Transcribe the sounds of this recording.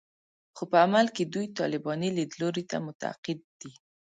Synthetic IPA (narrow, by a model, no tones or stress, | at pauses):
xopəamalked̪ujt̪ɑ̰lɪbɑniled̪loɾit̪a̰mʊt̪aa̰qɪd̪̚ːi